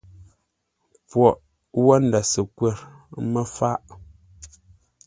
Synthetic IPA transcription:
pwɔ˨ʔ | wɔ˦n˨da˨sə˨kwɛ˦˨ɾmə˦fa˦ʔ

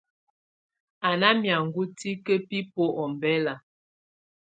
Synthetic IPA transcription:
a˨na˦mja˨ŋ̩ɡu˦ti˦kə˦pi˦po˦ʔɔ˨mbɛ˦la˨

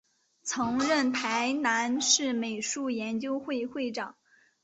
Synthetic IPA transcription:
t͡sʰɤ˧˥ŋɻə˥˩npʰa˧˥ɪna˧˥nʂɻ̩˥˩me˨˩ɪʂu˥˩jɛ˧˥nt͡ɕjo˥ʊxwe˥˧ɪxwe˥˩ɪʈ͡ʂɑ˨˩˦ŋ

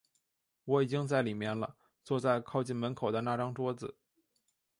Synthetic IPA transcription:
wɔ˧˥i˨˩t͡ɕi˥ŋt͡sa˥˩ɪli˨˩mjɛ˥˩nlə̰˩ | t͡swɔ˥˧t͡sa˥˧ɪkʰɑ˥˧ʊt͡ɕi˥˩nmə˧˥nkʰo˨˩ʊd̪ə˦na˥˩ʈ͡ʂɑ˥ŋʈ͡ʂwɔ˥d͡zɹ̩˨˩

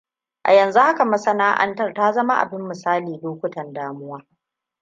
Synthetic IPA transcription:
ʔa̰˨jɐ˨nzu˦ha˦ka˨mɐ˦sɐ˦naː˦ʔa̰˦ntɐ˦˨rtaː˦zɐ˦ma˦ʔa̰˨bɪ˦mːɪ˨saː˦liː˨loː˦kʷʊ˦tɐ˨ndaː˨mʊ˦waː˦

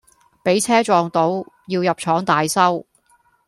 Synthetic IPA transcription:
pe˨˥jt͡sʰɛː˥t͡ʃɔː˨ŋt̪o˨˥wjiː˧wjɐ˨p̚t͡ʃʰɔː˨˥ŋt̪aː˨jsɐ˥w

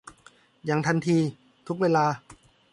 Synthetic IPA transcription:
jaː˨˩ŋt̪ʰa˧nt̪ʰiː˧ | t̪ʰu˦˥k̚weː˧laː˧

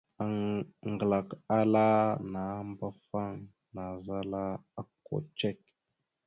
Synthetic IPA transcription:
a˨ŋŋ˨ɡə˨la˨ka˦la˦na˨˦mba˦fa˦ŋ | na˨za˦la˦a˦kːo̰˨t͡ʃe˦˨k̚

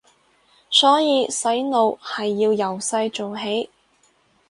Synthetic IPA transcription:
sɔː˨˥jiː˨˧sɐ˨˥jno˨whɐ˨jːiː˧wjɐ˨˩wsɐ˧jt͡ʃo˨wɦe˨˥j

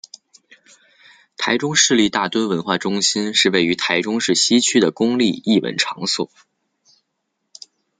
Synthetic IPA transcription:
t̪ʰa˧˥ɪʈ͡ʂʊ˥ŋʂɻ̩˥˧li˥˧t̪a˥˩t̪wə˥nwə˧˥nxwa̰˥˩ʈ͡ʂʊ˥ŋɕi˥nʂɻ̩˥˧we˥˩ɪy˧˥t̪ʰa˧˥ɪʈ͡ʂʊ˥ŋʂɻ̩˥˩ɕi˥t͡ɕʰy˥d̪ə˨kʊ˥ŋli˥˧i˥˩wə̰˧˥nʈ͡ʂʰɑ˧˥ŋsṵ˥˩

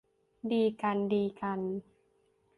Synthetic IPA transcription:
diː˧ka˧ndiː˧ka˧n

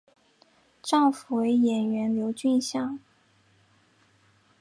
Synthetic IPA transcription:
ʈ͡ʂɑ˥˩ŋfu˨˩we˧˥ɪjɛ˨˩nɥɛ˧˥nljo˧˥ʊt͡ɕy˥˧nɕjɑ˥˩ŋ

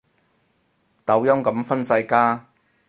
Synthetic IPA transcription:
t̪ɐ˨˥wjɐ˥ŋkɐ˨˥mfɐ˥nsɐ˧jkaː˥

